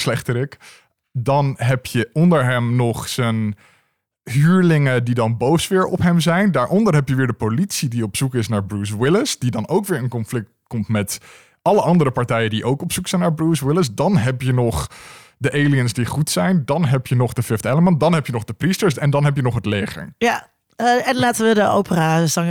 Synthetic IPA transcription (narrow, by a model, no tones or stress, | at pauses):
slɛχtəɾɪk | dɑnɦɛpjəɔndəɹɦɛmnɔχsən | ɦyːɹlɪŋədidɑnbowsʋɪːɹɔ̰pɦɛmzɛjndaːɹʔɔndəɹɦɛpjəʋɪːɹdəpolitsidiɔpsukɪsnaːɹbruːs̬wɪləsd̥idɑnowkʋɪːɹənkɔnflɪk̚tkɔmtmɛt | ʔɑləʔɑndəɾəpɑɹtɛjədiʔowkɔpsuksɛjnaːɹbruːswɪləsdɑnɦɛpjənɔχ | dəʔejliənsdiχutsɛjndɑnɦɛpjənɔχdəfɪftɛləməndɑnɦɛpjənɔχdəpristəɹsɛndɑnɦɛpjənɔχɦətlejχə̰ɹja | ɛnlaːtəʋədəowpəraːsɑŋ